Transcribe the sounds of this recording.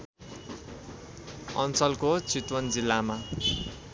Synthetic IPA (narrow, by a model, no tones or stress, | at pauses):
ʌ̰nt͡sʌlkot͡sit̪wʌnd͡zilːama